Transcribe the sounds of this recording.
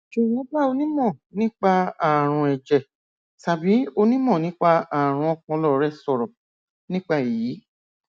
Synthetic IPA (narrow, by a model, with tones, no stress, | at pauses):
ʃo˨jɛ̃˨˦ba˦˨o˧nĩ˦mɔ̃˦˨nĩ˦k͡pa˧a˨ɾ̃ũ˧ɛ˨d͡ʒɛ˨ | ta˨bi˨˦o˧nĩ˦mɔ̃˦˨nĩ˦k͡pa˧a˨ɾ̃ũ˧ɔ˧˦kɔ̃˧˦lɔ˦˨˧ɾɛ˦˨sɔ˧˨ɾɔ˨ | nĩ˦k͡pa˦˨ji˨˦